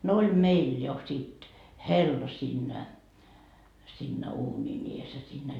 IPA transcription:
no olʲ meil jo sit helːɑ siːnːæ siːnːæ uːnʲin ies jɑ siːnːæ

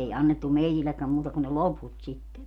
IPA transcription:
ei ɑnːetːu meitilːekːæm muːtɑ kun ne loput sitːe

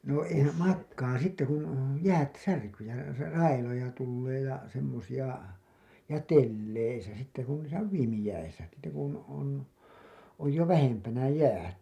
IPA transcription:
no eihæ mɑkːɑː sitːe kun jæːt særkyː jɑ rɑ rɑilojɑ tulːeː jɑ semːosij̆ɑ jɑ telːeisæ sitːe ku niːsæ on ʋiːmijæisæ sitːe kun on oj jo ʋæhempænæ jæːt

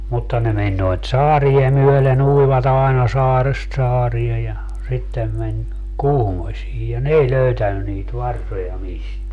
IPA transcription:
mutːɑ ne menʲ noit sɑːrie myølen uiʋɑt ɑenɑ sɑːrest sɑːrie jɑ sitːem menʲ kuhmosʲiː jɑ n ei løytænːy niːt ʋɑrsojɑ misteæ

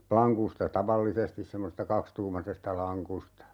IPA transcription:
plɑŋkustɑ tɑʋɑlːisestis semːosestɑ kɑkstuːmɑsestɑ lɑŋkustɑ

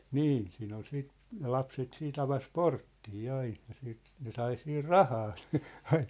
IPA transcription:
niːn siːn ol siːt ne lɑpset siːt ɑʋɑs portːiː ɑin̞ jɑ siːt ne sɑi siːr rɑhɑː si̥ ɑin̥

